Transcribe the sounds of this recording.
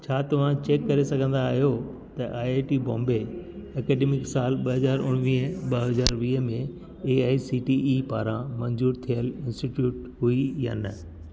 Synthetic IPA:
t͡ɕʰaːt̪ɐʋ̤ãt͡ɕeːkːɐɾesɐɡʱə̃nd̪aːɦijo | t̪ɐʔaːeːʈiːbɔ̰̃ːmbeɐkɛːɖeːmɪksaːlɓɐɦɐzaːɾʊ̰ɽ̃ʋiɦɓɐɦɐzaːɾʋiːɦəmẽ | eːaːisiːʈiiːpaːɾãmɐ̃nzuːɾt̪ʰijəlɪ̃nsʈiʈjuːʈɦuija̰ːnɐ

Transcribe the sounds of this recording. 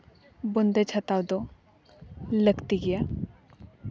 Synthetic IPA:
bond̪et͡ʃʰɐt̪awd̪o | ləɡt̪iɡija

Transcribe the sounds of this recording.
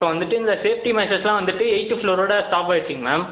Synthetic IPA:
soːʋɐnd̪ɯʈːɯɪnd̪ɐseːfʈimɛsɐslãːʋɐnd̪ɯʈːɯɛɪʈːɯfloːɾoːɽɐsʈaːpaːɪɾʈːɾɪiŋɡɐmaːm

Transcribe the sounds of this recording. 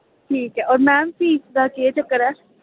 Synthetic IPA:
ʈʰiːkɦɛʔɔːɾmɛ̃ːmfiːsd̪aːkiet͡ʃɐkːəɾɛː

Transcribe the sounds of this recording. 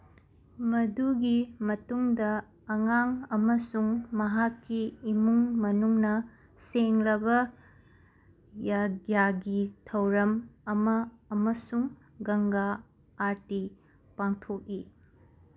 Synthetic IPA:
mɐduɡimɐtuŋdɐː | ŋaŋɐmɐsuŋmɐɦakːiːmuŋmɐnuŋnɐ | seŋlɐbɐ | jajaɡitʰɐwɾɐmɐmɐːmɐsuŋ | ɡɐŋɡaː | ɾti | paŋtʰok̚i

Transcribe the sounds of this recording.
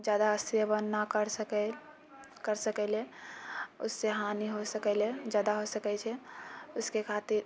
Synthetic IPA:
d͡ʒjaːd̪aəsjəbənːakəɾsəkɛ | kəɾsəkɛle | ʊsːeɦaniɦosəkɛled͡ʒjaːd̪aɦosəkɛt͡ʃʰɛʊskekʰat̪iɾ

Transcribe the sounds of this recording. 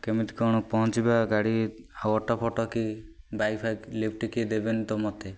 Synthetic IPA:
kemit̪kɔɽ̃ɔpɔɦɔ̃t͡ʃibaɡaɽi | awɔʈɔpʰɔʈɔki | bajpʰaklip̚ʰʈikid̪ebent̪ɔmɔt̪e

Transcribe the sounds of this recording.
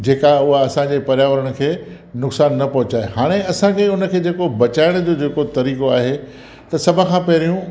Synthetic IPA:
d͡ʑeːkaʊɦaɐsãd͡ʑepɐɾjaːʋəɾəɽ̃ʊ̆kʰeː | nʊksaːnːɐpɐɦʊt͡ɕaːehaːɽ̃eɐsãkʰeʊnə̆kʰeːd͡ʑeːkobɐt͡ɕaːɪɽ̃d͡ʑoːd͡ʑeːkot̪ɐɾiːkoaːɦe | t̪ɐsɐbʱə̆kʰãːpɐɦɪɾijũ

